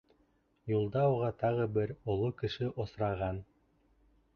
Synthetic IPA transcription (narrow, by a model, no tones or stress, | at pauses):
julˠd̪ɑuʁɑt̪ɑʁɤbɘɾŏlˠokɘ̆ʃɘʔŏsɾɑʁɑn